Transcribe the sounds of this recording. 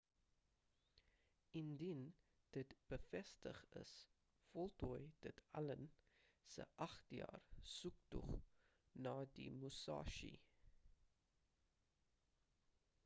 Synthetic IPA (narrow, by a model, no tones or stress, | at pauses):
indin | d̥ətb̥əfɛstə̰χə̰s | fɔlˠtuəjd̥ətɐlənsə̰ʔɐχtjɑ̰ːrsuktṵχ | nɑːdḭmusɑ̰ːʃḭ